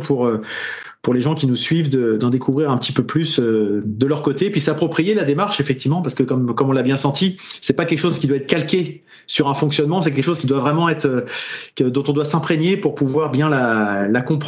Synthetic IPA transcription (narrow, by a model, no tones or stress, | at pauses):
pʰuʁø | puʁleʒɑ̃kʲinusɥivd̪əd̪ɑ̃d̪ekʰuvʁiʁɛ̃pət̪ipøplysød̪əlœʁkot̪epɥisapχɔpχijelad̪emaʁʃefɛk̚t̪ivmɑ̃paʁsə̥kəkɔmkɔmɔ̃labjɛ̃sɑ̃t̪isɛpakʲɛlkə̥ʃozkʲid̪waɛt̪χkalkʲe | syʁɛ̃fɔ̃ksjɔnmɑ̃sɛk̬ʲɛlkəʃozkʲid̪wavʁɛmɑ̃ɛt̪χø | d̪ɔ̃t̪ɔ̃d̪wasɛ̃pχeɲepuʁpuvwaʁbjɛ̃lalakɔ̃pχ